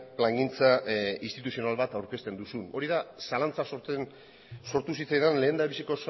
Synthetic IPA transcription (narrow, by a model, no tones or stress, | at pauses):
plaŋɡint͡saist̪it̪usio̞nalβat̪awɾke̞st̪e̞nd̪usuno̞ɾiðasalant͡sasoɾt̪en | so̞ɾt̪usit͡sajðanle̞ːnd̪aβisiko̞s